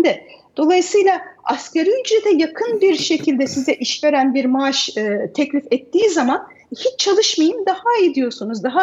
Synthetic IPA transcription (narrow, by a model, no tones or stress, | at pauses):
nd̪ɛd̪̥o̞lˠajɯsɯjlˠaascʲʰeɾiyd͡ʒɾɛt̪ʰɛjakʰɯnbiɾʃe̞cʰilʲd̪ɛsizɛʔiʃve̞ɾænbiɾmaaʃt̪ʰɛclʲifɛt̪ːiːzaman | hit͡ʃt͡ʃʰalˠɯʃmajɯmd̪ahajid̪ijo̞sunuzd̪aɦa